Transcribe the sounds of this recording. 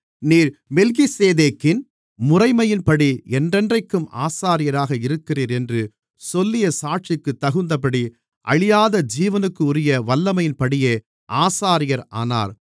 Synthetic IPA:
niːɾmɛlɣiseːðeːkːɪn | mʊrɐɪmɐjɪnpɐɽiɛndrɛndrɐɪkːɯmʔa̰ːsaːɾɪjɐɾaːɣɐɪɾɯkːɪriːɾɛndrɯ | sɔlːɪjɐsaːʈ̚t͡ʃɪkːɯt̪ːɐɣɯnd̪ɐpɐɽi | ʔɐ̰ɻɪjaːðɐd͡ʒiːʋɐnɯkːɯʊɾɪjɐʋɐlːɐmɐjɪnpɐɽɪjeː | ʔaːsaːɾɪjɐɾa̰ːna̰ːɾ

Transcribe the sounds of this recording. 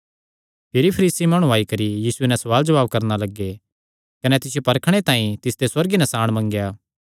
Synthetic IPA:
pʰɪɾipʰɐɾiːsimɐɽ̃ũaːikɐɾijiːsuenɛsɐʋaːld͡ʒɐʋaːb̚kɐɾnalɐɡːe | kɐnɛt̪ɪsjopɐɾkʰɽ̃et̪ãːĩt̪ɪsd̪eswɐɾɡinɐ̃saːɽ̃mɐ̃ŋɡjaː

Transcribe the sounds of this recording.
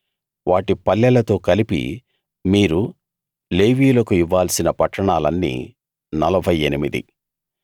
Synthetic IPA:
ʋaːʈipɐlːɐlɐt̪o̞ːkɐlipḭ | miːɾu | le̞ːʋiːlɐkuiʋːaːlsinɐpɐʈːɐɳaːlɐnːḭː | nɐlɐbʱɐjenimid̪ḭ

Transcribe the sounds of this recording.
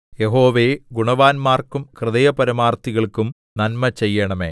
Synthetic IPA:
jeɦo̞ːʋeːɡuɳɐʋaːnmaːrkumkrɨðɐjɐpɐɾɐmaːrt̪iɣɐɭkum | nɐnmɐt͡ɕe̞jːɐɳɐme̞̰ː

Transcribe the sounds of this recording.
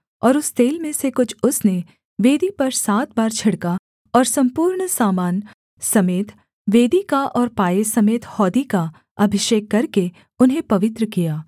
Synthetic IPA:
ɔːɾʊst̪eːlmẽsekʊt͡ʃʰʊsne | ʋeːd̪ipɐɾsaːt̪̚baːɾt͡ʃʰɐɽka | ɔːɾsɐ̃mpuːɾɳsaːmaːn | sɐmeːt̪ | ʋeːd̪ikaʔɔːɾpaːesɐmeːt̪hɔːd̪ika | ɐbʱɪʃeːkːɐɾke | ʊnɦẽpɐʋɪt̪ɾəkijaː

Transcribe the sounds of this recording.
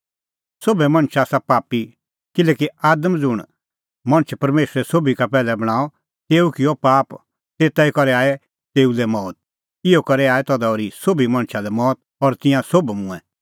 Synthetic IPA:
sobɛmɐ̃ɳt͡ʃʰaːsapaːpi | kɪleːkiaːd̪əmd͡zʊɽ̃ | mɐ̃nət͡ʃʰpɐɾmeːsɾɛsobikapɛːlɛbɐɽ̃aːɔ | t̪eːukɪjɔpaːp | t̪eːt̪aikɔɾɛaːɛ | t̪eːulɛmɔːt̪̚ | ɪɔkɐɾɛaːɛt̪ɔd̪ɔːɾisobimɐ̃nt͡ʃʰalɛmɔːt̪̚ɔɾt̪ɪ̃jãsobmʊ̃ɛ̃

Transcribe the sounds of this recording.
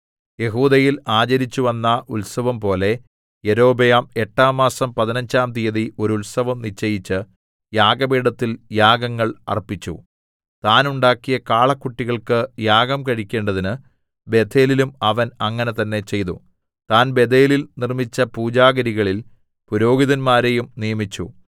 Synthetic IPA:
je̞ɦuːd̪ɐjilaːt͡ɕɐɾit͡ɕːuʋɐnːɐʔulsɐʋɐmpo̞ːle̞ | jeɾo̞ːbejaːme̞ʈːaːmːaːsɐmpɐðinɐɲd͡ʑaːmt̪ijɐðiʔo̞ɾulsɐʋɐmnit͡ɕːɐjit͡ɕːɨ | jaːɡɐbiːɽɐt̪ːiljaːɡɐŋːɐɭɐ̰rpːit͡ɕːṵ | t̪aːnuɳɖaːkːijɐkaːɭɐkːuʈːiɣɐɭkɨjaːɡɐmkɐɻikʲːe̞ːɳɖɐðinɨ | bed̪ʱʰe̞ːlilumɐʋɐnɐŋːɐne̞t̪ɐnːe̞t͡ɕe̞jt̪ṵ | t̪aːnbe̞d̪ʱeːlilnirmit͡ɕːɐpuːd͡ʑaːɡɐɾiɣɐɭil | puɾo̞ːɡiðɐnmaːɾejumnijɐmit͡ɕːu

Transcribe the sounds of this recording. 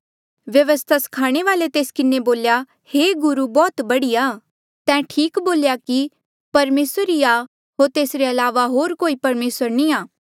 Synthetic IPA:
ʋjɐʋəst̪ʰasɐ̥kʰaːɽ̃eʋaːlet̪eːskɪneboːlja | heːɡʊɾubɔːt̪bɐɽiaː | t̪ɛ̃ʈʰiːkboːljaki | pɐɾmeːsəɾiaː | ɦoːɾt̪eːsɾeɐlaːʋaɦoːɾkoːipɐɾmeːsəɾnĩaː

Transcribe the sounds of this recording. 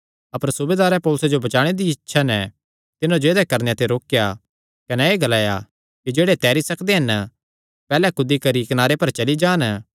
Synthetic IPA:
ɐpəɾsʊbeːd̪aːɾɛpɔːlʊsed͡ʒobɐt͡ʃaːɽ̃ed̪iɪtːʃʰanɛ | t̪ɪnãd͡ʒoeːd̪ɛkɐɾnejat̪ʰeɾoːkja | kɐnɛeːɡɐlaːja̰ | kid͡ʒeːɽet̪ɛːɾisɐkd̪eɦɐn | pɛːlɛkʊd̪ikɐɾikɐnaːɾepɐɾt͡ʃɐlid͡ʒaːn

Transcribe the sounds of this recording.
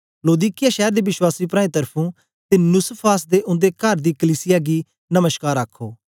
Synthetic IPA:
loːd̪iːkɪjaːʃɛːɾd̪eːʋɪswaːsiːpɾãːĩt̪əɾpʰũː | t̪eːnʊspʰaːsd̪eːʔʊ̃nd̪ekəɾd̪iːkəliːsɪjaːɡiː | nəməʃkaːɾəkʰːoː

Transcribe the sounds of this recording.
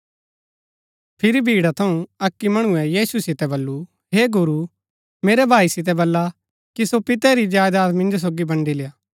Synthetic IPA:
pʰɪɾibʱiːɽat̪ʰɐũɐkːimɐɽ̃ʊɛjiːsusɪt̪ɛbɐlːu | ɦeːɡʊɾu | meːɾɛbʱaːisɪt̪̬ɛbɐlːa | kisopɪt̪ɛɾid͡ʒaːjd̪aːt̪mɪ̃nd͡ʒos̬oːɡibɐ̃ɳɖilɪjaː

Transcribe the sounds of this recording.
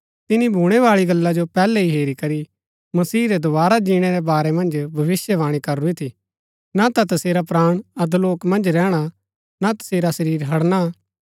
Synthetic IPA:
t̪ɪnibʱuːɽ̃ɛʋaːɭiɡɐlːad͡ʒopɛːlɛɦiɦeːɾikɐɾi | mɐsiːɾɛd̪ʊʋaːɾad͡ʒiːɽ̃ɛɾɛbaːɾɛmɐ̃nd͡ʒbʱɐʋɪsjəʋaːɽ̃ikɐɾuit̪ʰi | nat̪at̪ɐseːɾapɾaːɽ̃ɐd̪loːkmɐ̃nd͡ʒɾɛːɽ̃a | nat̪ɐ̥seːɾasɐɾiːɾɦɐɽna

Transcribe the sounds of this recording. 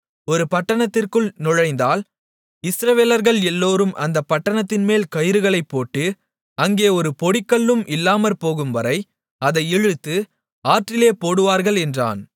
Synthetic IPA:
ɔɾɯpɐʈːɐɳɐt̪ːɪrkɯɭnɔɻɐɪnd̪aːl | ɪsɾɐʋeːlɐɾɣɐɭɛlːoːɾɯmʔɐ̰nd̪ɐpːɐʈːɐɳɐt̪ːɪnmeːlkɐjɪɾɯɣɐɭɐɪpːoːʈːɯ | ɐŋɡeːɔɾɯpɔɽɪkːɐɭːɯmʔɪlːaːmɐɾpoːɣɯmʋɐɾɐɪ | ɐðɐɪɛɻɯt̪ːɯ | aːʈrɪleːpoːɽɯʋaːɾɣɐɭɛndra̰ːn

